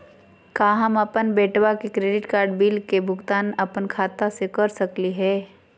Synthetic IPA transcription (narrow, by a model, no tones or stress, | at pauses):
kaːɦɐmɐpənbeːʈwakekɾeːɖɪʈkaːɾɖbiːlkebʱʊɡt̪aːnɐpənkʰaːt̪asekəɾsəkliɦɛː